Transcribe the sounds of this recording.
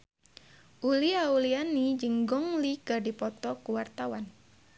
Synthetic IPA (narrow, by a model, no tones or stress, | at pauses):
ʔuliaulianid͡ʒəŋɡɔŋliɡadipɔt̪ɔkuwart̪awan